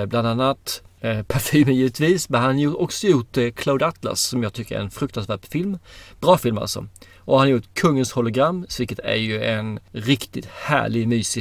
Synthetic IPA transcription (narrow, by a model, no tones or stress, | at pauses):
bland̪anːat̪pʰæɾfyːməjiːvət̪viːsmɛnhanjuɔksɔjuʈkʰlaʊd̪at̪ʰla̰sːɔmjɑːɡ̚t̪ʰʏkːəɾæ̰ɾɛnfɾɵk̚t̪ansvæːɖfɪlmb̥ɾɑːfɪlma̰lsɔ̰ | ʔɔhanaɾjuːt̪kʰɵŋːənshɔlʊɡɾamːvɪlkːət̪ʰæ̰ɾjɵʔɛnɾɪkt̪ɪt̪hæ̰ːɭɪɡmyːsɪ